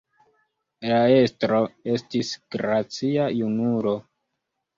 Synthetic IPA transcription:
lae̞stɾo̞e̞stisɡ̥ɾat͡siajunuɾo̞

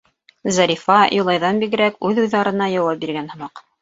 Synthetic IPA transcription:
zɑɾʲifɑjʔŏlˠɑjðɑnbiɡɘ̆ɾækʉðuðɑɾɤ̆nɑjɑwɑp̚biɾɡænhɤ̆mɑq

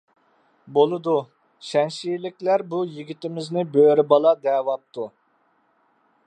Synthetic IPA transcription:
bolˠɨd̪u | ʃɛnʃijlɪkʲlæɾbujiɡʲit̪ɪmɪznɪbøɾɪbɑlˠɑd̪ɛːwɑp̚t̪ʰu

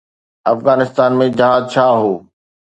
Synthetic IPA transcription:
ɐfɣaːnɪst̪aːnmẽd͡ʑɐɦaːzt͡ɕʰaːɦoː

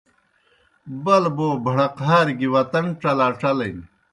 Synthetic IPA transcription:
bɐlboːbʱɐɽɐqɦaːɾɡiwɐt̪ɐnʈ͡ʂɐlaːʈ͡ʂɐlɐjn

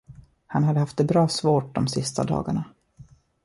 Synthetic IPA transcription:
hanhad̪ːəhaft̪ɛbɾɑːsvoːʈ̚d̪ɔmsɪst̪a̰d̪ɑ̰ːɡaɳa

